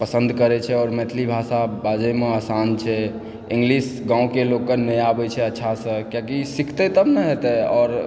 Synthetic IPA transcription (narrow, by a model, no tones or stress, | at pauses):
pəsə̃nd̪ʱkəɾɛt͡ʃʰɛɔːɾmɛt̪ʰlibʱasabad͡ʒɛmeasant͡ʃʰɛ | ĩŋɡlisɡãũkelokːənəjabɛt͡ʃʰɛətːʃʰasə̃kjakisikʰt̪ɛt̪əbnəɦet̪ɛɔːɾ